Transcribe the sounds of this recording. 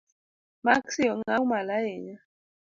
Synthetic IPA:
maksiɔŋaumalajɛɲa

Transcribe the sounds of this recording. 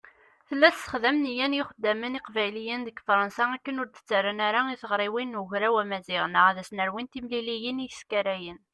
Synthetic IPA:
θəlːæθtːə̥χðæmnijænjɪχəd̪ːæməniqvæjlijənðəɡfɾˤɑnsaækːənʊɾt̪ə̥t͡sːaɾːanæɾaiθəʁɾˤiwinːuçɾæwæmæzɪʁnəʁæðæsnəɾwint̪imlilijənijəskæɾæjən

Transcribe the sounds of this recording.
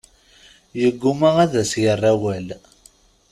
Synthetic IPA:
jəɡːumaʁæðæsjərˤːæwæl

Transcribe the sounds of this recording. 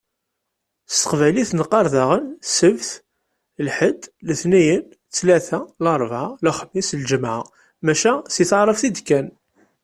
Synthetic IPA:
st̪ə̥qvæliθnəqːɑɾˤðɑʁənsəvθ | lħəd̪ləθnæjən | t͡sːlæθælɑɾˤvʕalæχəmːislʒəmʕa̰ | mæʃæsiθʕɾˤəfθid̪kæn

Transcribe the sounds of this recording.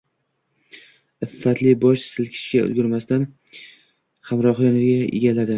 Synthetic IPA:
ɪfːat̪lɪbɒʃsɪlkʲʰɪ̥ʃɡʲaʊ̰lɡʲʊɾmast̪an | hamɾɒχlanɪɾɡʲaʔḛɡʲalad̪ɪ

